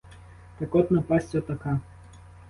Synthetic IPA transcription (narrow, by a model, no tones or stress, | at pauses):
t̪ɐkɔt̪nɐpɑsʲt͡sʲɔt̪ɐkɑ